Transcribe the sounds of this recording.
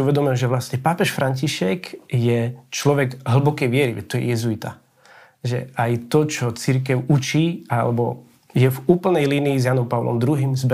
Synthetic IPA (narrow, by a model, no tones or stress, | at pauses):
uʋɛd̪ɔmilʒɛʋlasɲɛpaːpɛʃfɾʔaɲciʃɛkjɛt͡ʃlɔʋɛɡɦl̩bɔkɛjʋɪɛɾiʋɛ̰t̪ːɔjɛ̰jɛzuit̪a̰ | ʒɛ̰ajt̪ɔt͡ʃɔt͡siɾk̬ɛʊut͡ʃiːalɛ̰bɔ̰ | jɛvuːpl̩nɛjliːniizjanɔmpaʊlɔ̰md̪ɾuɦiːmzbɛ